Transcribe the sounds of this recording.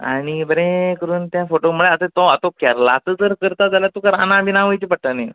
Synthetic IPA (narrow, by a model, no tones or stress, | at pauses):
a̰ɽ̃ibəɾẽkəɾuːnt̪jãfoʈoməɭeat̪ət̪ɔat̪okɛɾla̰t̪əd͡zəɾkəɾt̪ad͡zaljat̪ukəɾanãbinãʋəjt͡ɕipəʈ̚t̪ane